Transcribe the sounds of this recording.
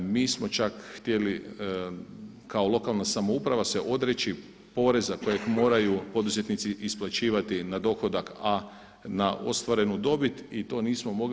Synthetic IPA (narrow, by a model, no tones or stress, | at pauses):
miːsmo̞t͡ʃakxt̪je̞li | kao̞lˠo̞kalˠnasamo̞upɾaʋase̞ʔo̞d̪ɾe̞t͡ʃi | po̞ɾe̞zako̞jekmo̞ːɾajupo̞d̪uzet̪nit̪siʔisplˠat͡ʃiːʋat̪inad̪o̞xo̞d̪aka | naʔo̞̰st̪ʋaɾe̞nud̪o̞bit̪it̪o̞ːniːsmo̞mo̞ɡ